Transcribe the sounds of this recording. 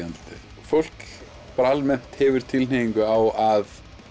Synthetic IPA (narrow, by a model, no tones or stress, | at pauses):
anlt̪ɪ | fowl̥k | pɾaalmɛn̥t̪hɛvʏɾ̥t̪ʰɪlneiŋkʏawað